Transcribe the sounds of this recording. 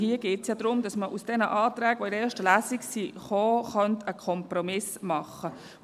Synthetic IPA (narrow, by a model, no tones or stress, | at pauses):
hiːəɡ̥eːtsjɑːd̥̪ɾʊmd̥ɑsməʔusd̥ɛnəʔɑːtɾæːɡʋɔidəɛːʃtəlæːsiksiχoːχœntəkʰɔmpɾɔmɪsmɑχːə